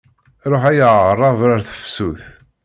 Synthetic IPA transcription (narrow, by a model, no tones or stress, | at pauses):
ɾˤoħæjəʁərˤːɑvɾaɾθə̥fsuθ